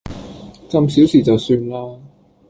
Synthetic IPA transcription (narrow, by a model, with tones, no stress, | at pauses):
t͡sɐ˧msiː˨˥wsiː˨˩t͡sɐ˨wsyː˧nlaː˥